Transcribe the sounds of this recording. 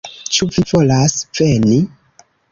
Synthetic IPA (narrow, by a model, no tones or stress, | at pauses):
t͡ʃuvivolasv̥eni